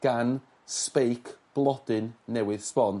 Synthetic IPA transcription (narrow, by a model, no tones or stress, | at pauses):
ɡ̥an | spejkʰb̥lˠɔd̥ɨnːɛwɨð̥spɔn